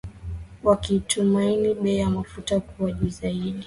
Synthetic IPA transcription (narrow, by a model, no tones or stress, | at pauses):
wakiːtʰumainiɓɛːjamafutakuwaʄuzaiɗi